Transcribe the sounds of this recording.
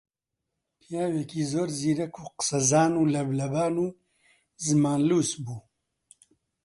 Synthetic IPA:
pʰijaːwekiːzoːɾziːɾɐkʰuːqɨ̥sɐzaːnuːlɐblɐbaːnuː | zɨmaːnluːsbuː

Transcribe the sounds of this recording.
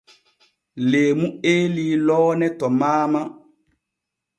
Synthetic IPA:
leːmueːlilɔːnɛtɔmaːma

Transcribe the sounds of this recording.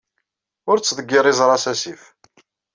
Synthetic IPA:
ʊɾt͡sːðəɡːɪɾˤizˤɾˤɑsæsif

